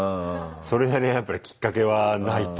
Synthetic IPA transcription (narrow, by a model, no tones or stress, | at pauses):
so̞ɾe̞d̪anejapːaɾʲikʲi̥kːake̞βanait̪